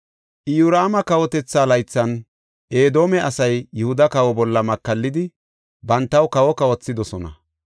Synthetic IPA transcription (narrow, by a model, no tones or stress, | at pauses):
ʔɪjuɾaːmɐkɐwɔt̪ɛt͡sːaːlɐjt͡sːɐn | ʔe̞ːd̪o̞ːmɛʔɐsɐjːʊhʊd̪ɐkɐwɔbɔlːɐmɐkːɐlːɪd̪ɪ | bɐnt̪ːɐwkɐwɔkɐwɔt͡sːɪd̪ɔsɔnɐ̰